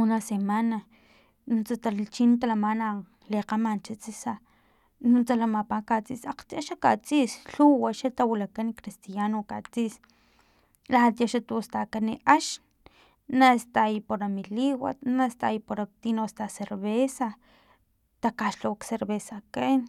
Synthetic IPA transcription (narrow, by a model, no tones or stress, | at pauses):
unasemana | nunt͡sat̪alt͡ʃint̪alamana | leqamant͡ʃit͡sisa | nunt͡salamapakat͡sisaq͡χt̪iaʃakat͡sʼiʔsɬuwaʃat̪awilakanikɾist̪ijanokat͡siʔs | laat̪jaʃat̪ust̪akaniʔaʃ | nast̪ajpoɾamiliwa̰t̪nast̪ajipoɾat̪inost̪aseɾβesa | t̪akaʃlowkseɾβesaken